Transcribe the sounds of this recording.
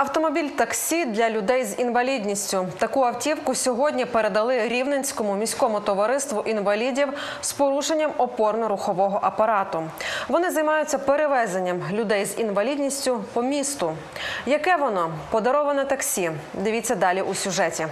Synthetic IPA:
ɐwt̪ɔmɔbʲilʲt̪ɐksʲid̪lʲɐlʲʊd̪ɛjzinʋɐlʲid̪ʲnʲisʲtʲʊt̪ɐkuɐwtʲiwkʊsʲɔɦɔdʲnʲipeɾe̞d̪ɐlˠɪɾʲiwnenʲsʲkɔmʊmʲisʲkɔmʊt̪ɔʋɐɾɪst̪ʋʊʔinʋɐlʲidʲiw | spɔɾuʃenʲːɐmɔpɔrnʊɾʊxɔʋɔɦɔʔɐpɐɾɑt̪ʊʋɔnɪzɐjmɑjʊt͡sʲːɐpeɾeʋɛzenʲːɐmlʲʊd̪ɛjzinʋɐlʲidʲnʲisʲtʲʊpɔmʲist̪ʊ | jɐkɛʋɔnɔpɔd̪ɐɾɔʋɐnɐt̪ɐksʲid̪ɪʋʲit͡sʲːɐd̪ɑlʲiʔusʲʊʒɛtʲi

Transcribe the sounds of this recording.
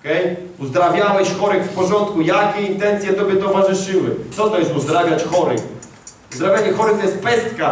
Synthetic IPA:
kɛj | uzd̪ɾavʲjawɛɕxɔɾɛxfpɔʐɔnt̪kujakʲɛint̪ɛnt̪sʲjɛt̪ɔbʲjɛt̪ɔvaʐɨʂɘwɘ̰t̪sɔt̪ɔjɛst̪uzd̪ɾavʲjat͡ɕxɔɾɘ̰ | uzd̪ɾavʲjaɲɛxɔɾɨt̪ɔjɛst̪pɛst̪ka

